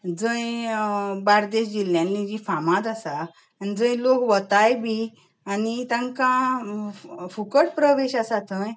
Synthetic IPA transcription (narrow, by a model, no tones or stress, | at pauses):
d͡zə̃j | baɾd̪eɕd͡ʑiljãnːid͡ʑifamãd͡zasaː | nid͡zə̃j̃lokʋət̪ajbi | anit̪ãŋkã | fukəʈpɾəʋeɕasat̪ʰə̃j